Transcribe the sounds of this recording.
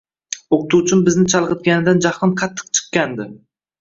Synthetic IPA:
oqt̪ʰut͡ʃʰɪmbɪznɪt͡ʃʰɑlˠqɨt̪̚ɡʲanɪd̪and͡ʒɑχɨnqʰɑt̪ʰːɨ̥q̚t͡ʃʰɨ̥qkʲand̪ɪ

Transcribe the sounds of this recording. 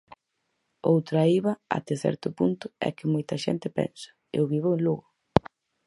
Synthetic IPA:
owt̪ɾaiβɐa̰t̪eθɛ̰ɾt̪ʊpunt̪ʊɛ̰kɪmojt̪ɐʃɛ̰nt̪ɪpɛ̰nsɐ̥ | ḛʊβiβʊẽnluɣʊ

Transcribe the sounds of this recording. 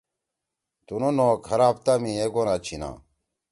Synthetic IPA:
t̪unonoːkhɐɾaːp̚t̪amĩeɡonat͡ɕʰina̰ː

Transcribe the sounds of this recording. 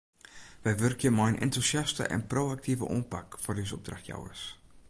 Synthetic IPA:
ʋɛjʋørkjəmajnʔɛ̰ntusjastə̰ʔɛ̰nprowak̚tivə̰ʔoːnpakfɔrdisəɔ̰b̚draxtja̰wə̰rs

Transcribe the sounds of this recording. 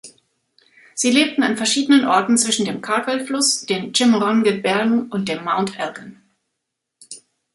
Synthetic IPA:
z̥iːleːp̚tn̩anfɛɐʃiːdənənʔɔɐtn̩t͡sv̥ɪʃn̩deːmkʰaɐtɛlflʊsd̥eːmnt͡ʃɪmʁɔnɡəbɛɐɡŋ̩ʊnt̚d̥eːɐmaʊntʰʔɛlbən

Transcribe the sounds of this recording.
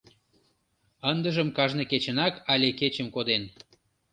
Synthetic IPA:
ənd̪ə̆ʒə̆mkɑʒneket͡ɕə̆nɑkɑlʲeket͡ɕəmkod̪en

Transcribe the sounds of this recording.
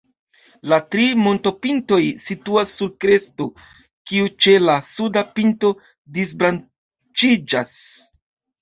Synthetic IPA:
latɾimo̞nto̞pinto̞jsituasːuɾkɾe̞sto̞ | kiut͡ʃe̞lasudapinto̞ | dizbɾan | t͡ʃid͡ʒas

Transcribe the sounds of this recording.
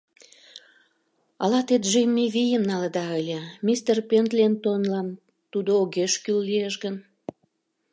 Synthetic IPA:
ɑlɑt̪et̪ʒejmʲːiβʲijəmnɑləd̪ɑəlʲemʲist̪erpent̪lʲent̪onlɑn | t̪ud̪ooɣeʃkylːieʃɡən

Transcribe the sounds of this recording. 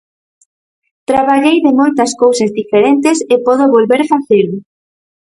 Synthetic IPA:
t̪ɾaβaʎejðɪmojt̪ɐskowsɐzðifeɾent̪ɪsɪpoðoβolβeɾfaθelʊ

